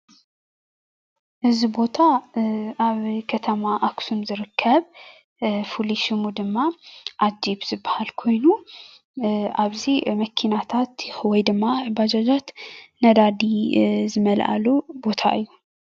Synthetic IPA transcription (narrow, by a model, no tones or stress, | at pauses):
ʔɨzibo̞t̪ʰa | aβkʰɐt̪ʰɐmaʔaksunzɨɾɨkʰːɐβ | fuliʃimud̪ɨmːaʔad͡ʒibz̥ɨbːahalkʰo̞jnu | ʔaβzimɐkʰinat̪ʰat̪wɔjd̪ɨmːabad͡ʒad͡ʒat̪nɐd̪ad̪izɨmɐlʔa̰lubo̞t̪ʰa̰ʔɨjːu